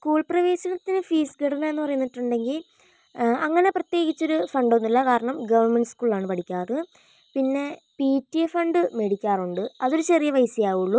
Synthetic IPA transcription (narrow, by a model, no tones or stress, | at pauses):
skuːɭprɐʋe̞ːɕɐnɐt̪ːinɨfiːsɡeɽɐnːɐe̞nːɨpɐrɐjunːiʈːuɳɖe̞ŋɡil | ɐŋːɐne̞prɐt̪je̞ːɣit͡ɕːo̞ɾufɐɳɖo̞nːilːɐkaːɾɐɳɐmɡɐʋɐrmeɳɖskuːɭaːɳɨpɐʈʰikʲːaːrɐðɨ | pinːe̞ | piːtːijefɐɳɖɨme̞ɽikʲːaːruɳɖɨɐðo̞ɾut͡ɕerijɐʋɐjsijaːʋuɭːu